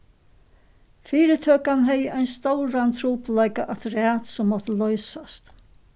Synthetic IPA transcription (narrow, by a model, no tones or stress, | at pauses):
fiːɾət̪ʰøːkanɦɛjʔaɪnst̪ɔwɾant̪ʰɾuːplaɪkaʔat̪ɾæːt̪sɔmːɔt̪əlœʏsast̪